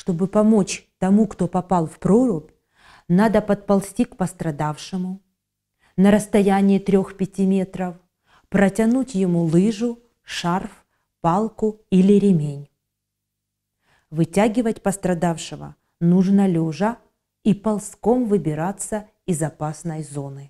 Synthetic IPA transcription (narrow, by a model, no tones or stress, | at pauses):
ʂt̪o̞bɨpɐmot͡ɕt̪ɐmukt̪o̞pɐpɑlˠfpɾoɾʊpʲ | nad̪əpɐt̪̚pɐlˠsʲtʲikpəst̪ɾɐd̪afʂɨmʊ | nəɾəst̪ɐjænʲɪjɪt̪ɾʲo̞xpʲɪtʲimʲe̞t̪ɾəf | pɾətʲɐnutʲjɪmulˠɨʐʊ | ʂarf | pɑlˠkʊilʲɪɾʲɪmʲenʲ | vɨtʲaɡʲɪvətʲpəst̪ɾɐd̪afʂɨvə̰ | nuʐnəlʲoʐə | ipɐlˠsko̞mvɨbʲɪɾat̪sə | ɪzɐpasnəjzo̞nɨ